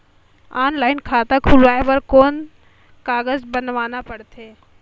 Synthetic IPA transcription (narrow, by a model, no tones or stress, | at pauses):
aːnlaːɪnkʰaːt̪akʰulʋaːeʋɐɾkoːn | kaːɡəzbɐnʋaːnapɐɽt̪ʰeː